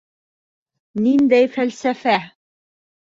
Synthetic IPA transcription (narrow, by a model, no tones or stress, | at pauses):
nind̪æjfælsæfæ